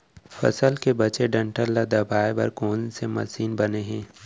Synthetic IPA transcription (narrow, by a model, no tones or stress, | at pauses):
fɐ̰səlkebɐt͡ʃeɖɐ̃ɳʈəlːad̪ɐbaːebɐ̰ɾkoːnsemɐ̰siːnbɐneɦɛ̃ː